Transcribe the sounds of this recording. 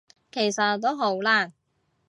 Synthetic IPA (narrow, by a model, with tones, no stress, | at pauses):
kʰe˨˩jsɐ˨tt̪ːo˥wɦo˨˥wlaː˥